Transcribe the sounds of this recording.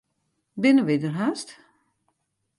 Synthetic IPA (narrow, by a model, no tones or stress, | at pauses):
bɪnəʋɪdərɦast